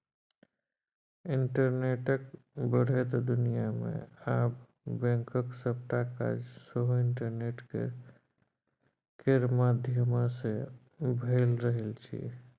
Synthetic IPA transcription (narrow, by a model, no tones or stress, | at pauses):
iɳʈəɾneʈəkbəɽ̤et̪d̪unijamḛab | bɛ̃ŋkəksəp̚t̪aka̰d͡ʒsəɦoɪɳʈəɾneʈkḛ | keɾmad̪ʱjəmase | bʱelɾəɦelt͡ʃʰḭ